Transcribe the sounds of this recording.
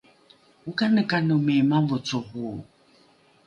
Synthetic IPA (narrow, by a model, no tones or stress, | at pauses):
ukanəkʼanəmɛmamvɔt͡soɣu